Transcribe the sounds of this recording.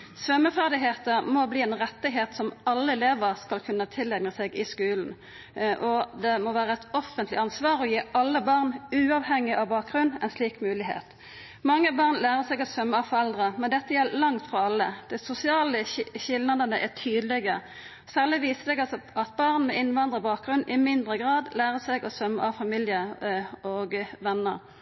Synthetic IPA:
sʋœmːəfæʁd̪ɪɦeːt̪əʁmɔbliːɛnʁɛt̪ːɪɦeːt̪sɔmɑlːəɛleːʋəʁskɑlkʰʉnːət̪ʰɪlɛɡnəsɛɡɪskʉːln̩ | ʔɔd̪ɛmɔʋæːʁəɛt̪ɔfənt̪ʰlɪ̰ɑnsʋɑːɾɔjiːʔɑlːəbɑʁnʉːɑʋhɛŋːɪʔɑʋbɑːk̚ɡʁʉnɛnsliːkmʉːlɪɦḛːt̪ | mɑŋːəbɑʁnlæːʁəsɛɡɑt̪sœmːəɑʋfɔɾɛld̪ʁəmɛnd̪ɛt̪ːəjɛlːəlɑŋt̪fɔɾɑlːəd̪̥ɛsʊsɪɑːləçɪld̪nɑd̪ənəʔɛʈ̪ʰyːd̪əlɛɡə | sæːʁlɪʋiːsəd̪ɛɡɑɑt̪̚bɑʁnmɛɪnʋɑnd̪ʁəbɑːk̚ɡʁʉnːʔɪmɪnd̪ʁəɡʁɑːd̪læːʁəsɛɡɔsœmːəʔɑʋfɑmiːljəɔɡʋɛnːəɾ

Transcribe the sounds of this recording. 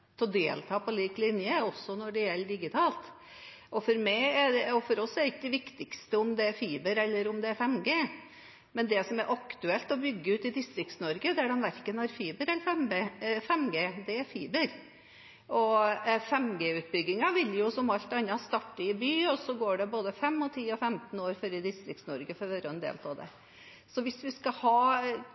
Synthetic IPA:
t̪ʰɛɔd̪eːlt̪ʰɑːpʰɔliːklɪnjəɔsːɔnɔɖɛjɛlːəɖɪɡɪt̪ʰɑːlt̪ | ʔɔfɔɾmæɪæɛɔfɔɾɔsːɛɾɪkːəd̪ɛʋɪkt̪ɪkst̪əʊmd̪ɛæɾfiːbəɾɛlːəɾʊmd̪ɛæɾfɛmɡeː | mɛnd̪ɛsɔmæɾʔɑkt̪ʉɛlt̪ɔbʏɡːəʉːt̪ɪd̪ɪst̪ɾɪk̚t̪snɔɾɡəd̪æɖɛnʋæɾkənhɑɾfiːbəɾɛlːəɾfɛmbeːfɛmɡeːd̪ɛæɾfiːbəɾ | ɔfɛmɡeːʉːt̪̚bʏɡːɪŋɑʋɪljʊsɔmɑlt̪ɑnːəst̪ɑʈːəɪbyːɔsɔɡoːɖɛboːd̪əfɛmːɔt̪ʰiːɔfɛmt̪noːɾføɾəd̪ɪst̪ɾɪk̚t̪snɔɾɡəfɔɾʋɛɾəɛnd̪ḛːlt̪ʰɑd̪ɛ̰ | sɔʋɪsʋɪskɑhɑː

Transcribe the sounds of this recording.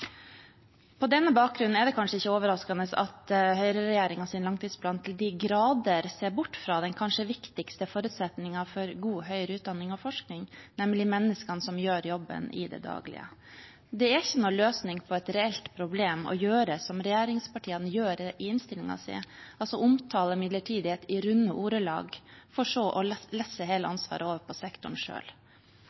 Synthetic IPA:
pʰɔd̪ɛnːəbɑːk̚ɡɾʉnn̩ɛɖ̪ɛkʰɑnʂəɪçːəoːʋəɾɑskɑnəsɑ̰t̪hœʏɾəɾɛjeːɾɪŋɑsɪnlɑŋt̪ʰiːsplɑːnt̪ʰɪld̪ɪɡɾɑːd̪əɾseːbʊʈːfɾɑd̪ɛnkʰɑnʂəʋɪkt̪ɪkst̪əfoːɾʉt̪sɛt̪nɪŋɑfɔɾɡuːhœʏɾəʉːt̪̚d̪ɑnːɪŋɔfɔʂknɪŋnɛmlɪmɛnːəskɑnsɔmjøːɾjɔbːə̰nɪ̰d̪ɛ̰d̪ɑ̰ːɡlɪ̰ə̰ | d̪ɛæçːənɔløːsnɪŋpʰɔɛt̪ɾɛɛlt̪pʰɾʊbleːmɔ̰jøːɾəsɔmɾɛjæːɾɪŋspɑʈʰiːənəjøːɾɪɪnst̪ɪlɪŋɑ̰sɛ̰ɑlsɔʔʊmt̪ʰɑːləmɪd̪ləʈʰiːd̪ɪet̪ɪɾʉnːəʔuːɾəlɑ̰ːɡfɔʂoːʔɔlɛsːəɦeːləɑnsʋɑ̰ːɾəoːʋəɾpʰɔsɛkt̪ʊɳʂø̰ːl

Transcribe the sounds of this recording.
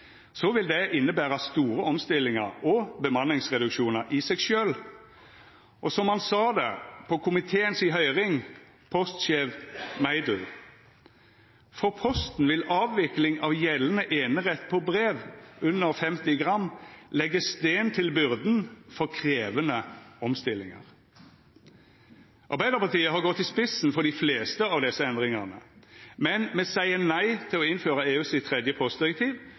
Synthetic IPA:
sɔʋɪld̪ɛʔɪnːəbæːʁəst̪uːɾəɔmst̪ɪlːɪŋəʁɔbəmɑnɪŋsʁɛd̪ʉkʃuːnəʁʔɪsɛɡʃøːl | ʔɔsɔmhɑnsɑːd̪ɛpʰɔkʰʊmɪt̪ʰeːənsɪɦœʏʁɪŋ | pʰɔst̪ʃeːʋmæɪd̪l̩ | fɔʁpʰɔst̪n̩ʋɪlɑːʋʋɪklɪŋɑʋjɛlənəʔeːnəʁɛt̪ːpʰɔbʁeːʋʉnːəʁfɛmt̪ɪɡʁɑmːlɛɡːəst̪eːnt̪ʰɪlbʏʁd̪nfɔʁkʰʁeːʋənəɔmst̪ɪlːɪŋə̰ʁ | ʔɑ̰ʁbæɪd̪əʁpɑʁt̪iːəɦɑʁɡɔt̪ːɪspɪsn̩fɔɾd̪ɪfleːst̪əɑːʋd̪ɛsːəɛnd̪ʁɪŋəʁnə̰mɛnmɛsæɪənæɪt̪ʰɪlɔɪnføːɾəeːʉːsɪt̪ʰʁɛd̪jəpʰɔst̪d̪ɪʁɛk̚t̪ʰiːʋ

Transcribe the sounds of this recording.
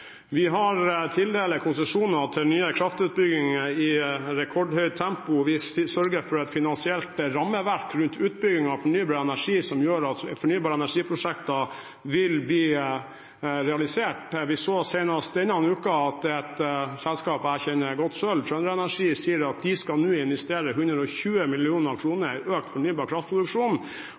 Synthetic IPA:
ʋɪɦɑɾt̪ʰɪld̪eːləkʰʊnsəʂuːnɑt̪ʰɪlnyːəkʰɾɑft̪ʉːt̪̚bʏɡɪŋɪɾɛkʰɔɖhœʏt̪ʰɛmpʊʋɪsœɾɡəɾfɔɾɛt̪fɪnɑnsɪɛlt̪ɾɑmːəʋæɾkɾʉnt̪ʰʉːt̪̚bʏɡɪŋɑʋfɔɳyːbɑɾɛnæʂiːsɔmjøːɾɑt̪fɔɳyːbɑːɾəɛnæʂiːpʰɾʊʂɛkt̪ɑ | ʋɪlbliː | ɾɛɑlɪseːʈʋɪsoːseɪnɑst̪ɛnəɑɑnʉːkɑɑt̪ɛt̪sɛlskɑːpæɾçɛnəɡɔt̪ːsœlʃœnɾəɛnæʂiːsiːəɾɑt̪̚d̪ɪskɑnʉːɪnʋɛst̪eːɾəɦʉnd̪ɾəɔçʉːəmɪlɪuːnəɾɑʋkʰɾuːnəɾʔøːk̚t̪fɔɳyːbɑːɾkʰɾɑft̪pʰɾʊd̪ʉkʂuːnn̩

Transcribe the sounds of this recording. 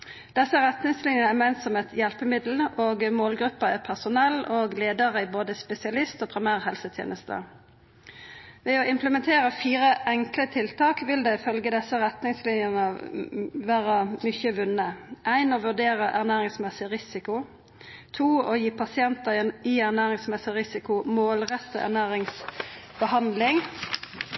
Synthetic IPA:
d̪̥ɛsːəʁɛt̪nɪŋslɪnjənəɛmɛnt̪sɔmɛt̪ʰjɛlpəmɪd̪l̩oːɡmoːlɡɾʉpːəæʁpʰæʁsʊnɛlːoːɡleːd̪əʁəɪboːd̪əspɛsɪɑlɪst̪oːpʰɾɪmæːʁhɛlsət̪ʰjḛːnəst̪ʰə̰ | ʋɛɔɪmpləmɛnt̪ʰeːʁəfiːɾəʔɛŋklət̪ʰɪlt̪ʰɑːkʋɪld̪ɛɪfœlɡəd̪ɛsːəʁɛt̪nɪŋslɪnjənə | ʋæːʁəmʏçəʋʉnəʔæɪnoːʋʉɖ̪eːʁəʔæʁnæːʁɪŋsmɛsɪʁɪsɪkʊ | t̪ʰuːoːjiːpʰɑsɪɛnt̪əiæʁnæːʁɪŋsmɛsɪʁɪsɪkʊmoːlʁɛt̪ːə̰ʔæ̰ʁnæːʁɪŋsbəhɑnd̪lɪŋ

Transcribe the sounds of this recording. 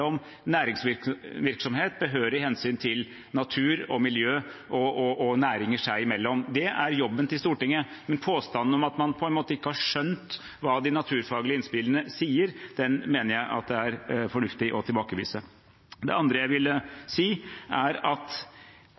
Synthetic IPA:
ɔm | næːɾɪŋsʋɪʋɪɾksɔmheːt̪̚bəɦøːɾəɾɪɦɛnsyːnt̪ʰɪl | nɑt̪ʰʉːɾɔmɪljøːʔɔʔɔʔɔnæːɾɪŋəʂæɪɪmɛlːɔmd̪ɛʔæɾjɔbːənt̪ɪlst̪uːʈɪŋːəmɛnpʰoːst̪ɑnn̩ɔmɑt̪mɑnpʰɔɛnmoːt̪əɪkːəhɑʂœnt̪ | ʋɑːd̪ɪnɑt̪ʰʉːɾfɑːɡlɪəɪnspɪlənəsiːəɾd̪̥ɛnmeːnəɾjæɪʔɑ̰t̪̚d̪ɛæɾfɔɳʉft̪ɪʔɔt̪ʰɪlbɑːkəʋḭːsə | d̪ɛ̰ɑnd̪ɾəjæɪʋɪləsiːʔæɾɑt̪

